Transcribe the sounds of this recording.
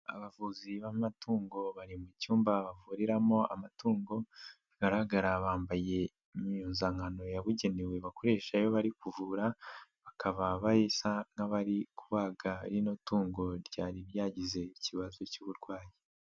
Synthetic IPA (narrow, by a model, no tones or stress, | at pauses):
a̰βavuziβamatʰuːŋɡo̞βaɾimucuːmbaβavuɾiɾamo̞a̰matuːŋɡo̞βaɡ̥aɾaɡaɾaβaːmbaje̞ | miɲuːnzaŋɡano̞jaβuɟe̞newe̞βako̞ɾe̞ːʃajo̞βaɾikuvuːɾaβakaβaβajesaŋ̥aβaɾikuβaɡaɾinotuːŋɡo̞ɾɟaːɾiɾjaːɟize̞iciβazo̞cuːβuɾɡwaːji